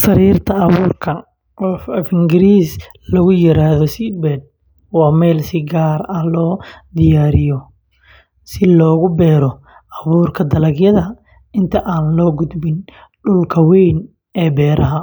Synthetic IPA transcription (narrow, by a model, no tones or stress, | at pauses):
sɐɾiːrt̪ʰɐɐβuːrkʰɐ | ɔfɛfɪŋɡɪɾiːs | lɔɣʊjɪɾaːðɔsɪbɛd̪̚ | wɑːmɛːlsɪɡaːrɐlɔːd̪ɪjaːɾɪjɔ | sɪlɔːɣʊbɛːɾɔ | ɐβuːrkʰɐd̪ɐlɐɡjɐðɐ | ɪnt̪ʰɐʔaːnlɔːɡʊd̪bɪn | ɖʊlkʰɐwɛjn | ɛːbɛːɾʔɐɦɐ